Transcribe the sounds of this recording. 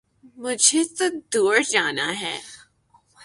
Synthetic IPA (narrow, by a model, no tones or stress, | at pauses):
mʊd͡ʒʱet̪od̪uːɾd͡ʒaːnaɦɛ̰ː